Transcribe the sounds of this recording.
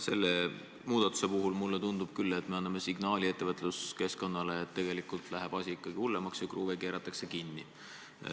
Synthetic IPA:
se̞̰lːe | muːd̪̥ɑt̪ːˑu̥se̞puɦulmulːet̪und̪ub̥kylːe̞t̪ːme̞ɑnːɑme̞siɡnɑːlʲie̞t̪ːevɤt̪ˑluske̞sko̞nːɑleːt̪ːe̞ɡ̥e̞likult̪ˑlæɦeb̥ɑsʲiikːˑɑɡ̥ihulːemɑksjɑkruːve̞ke̞ːɾɑt̪ːˑɑkse̞kinːḭ

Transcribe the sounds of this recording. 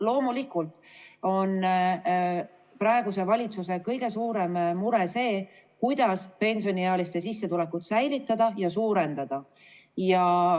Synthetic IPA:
lo̞ːmulikːˑult̪ˑo̞n | prɑe̞ɡuse̞vɑlʲit̪suse̞kɤjɡ̥e̞suːɾe̞mːuɾese̞ː | kujd̪̥ɑspe̞nʲsio̞nieɑlist̪e̞sisːe̞t̪ule̞kːut̪sæjlit̪ˑːɑd̪̥ɑjɑsuːɾe̞nd̪̥ɑd̪̥ɑ | jɑ

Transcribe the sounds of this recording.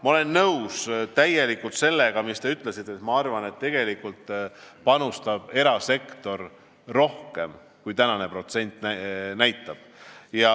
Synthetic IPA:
mɑo̞le̞nːɤwst̪æje̞likːult̪se̞lːe̞ɡ̥ɑmist̪e̞yt̪ːˑle̞sit̪ˑːet̪mɑɑrvɑne̞t̪ːe̞ɡ̥e̞likːult̪pɑnust̪ɑb̥e̞ɾɑse̞kt̪o̞rː | o̞hke̞m | kujt̪ænɑne̞pro̞t̪se̞nʲt̪ːˑnæjt̪ːˑɑb̥jɑ

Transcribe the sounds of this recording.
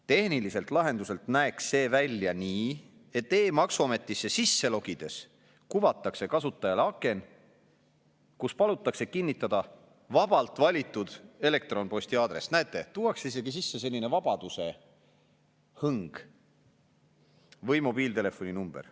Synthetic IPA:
t̪e̞hnilise̞lt̪ˑlɑɦe̞nd̪use̞lt̪næeksːe̞ːvælʲjɑniː | e̞t̪ːe̞ːmɑksuɑme̞t̪ˑːisːe̞sisːe̞lo̞ɡid̪̥e̞s | kuvɑt̪ːˑɑkse̞kɑsut̪ːˑɑjɑleɑkːˑe̞n | kuspɑlut̪ːˑɑkse̞kinːit̪ːˑɑd̪̥ɑ | vɑb̥ɑlt̪ˑvɑlʲit̪ːˑud̪̥e̞le̞k̚t̪ro̞npo̞sʲt̪iɑːd̪̥ɾe̞snæet̪ːˑe̞t̪uwɑksis̬e̞ɡis̬isːe̞se̞lʲːinevɑb̥ɑd̪use̞ | hɤŋɡ̥ | vɤjmo̞b̥iːlt̪ele̞fo̞ninumb̥er

